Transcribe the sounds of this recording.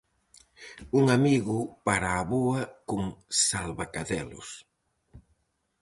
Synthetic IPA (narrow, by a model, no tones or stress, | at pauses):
uŋamiɣʊpaɾaːβoɐkʊŋsalβakaðɛlʊ̰s